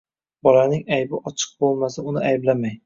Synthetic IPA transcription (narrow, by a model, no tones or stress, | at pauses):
bɒlanɪŋajbɪʔɒt͡ʃʰɨ̥q̚bolˠmasɪʊnɪajblamaj